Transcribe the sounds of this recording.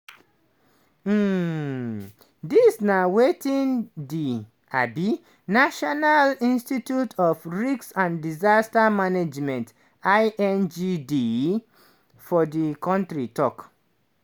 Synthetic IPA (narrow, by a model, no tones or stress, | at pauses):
m̩ | disnawetĩndi | ʔabi | naʃɔnalĩnstitjutʰɔfɹiksãndizastamaned͡ʒmɛ̃nt | aʔɛ̃nd͡ʒidi | fɔdikɔ̃ntɹitɔk